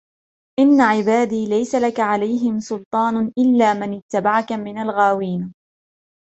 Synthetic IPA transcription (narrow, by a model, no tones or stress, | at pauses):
ʔɪnːaʕɪbaːd̪iːlajsalakaʕalajɦɪmsʊlt̪ˤɑːnʔɪlːaːmanɪt̪ːabaʕakamɪnalɣaːwiːn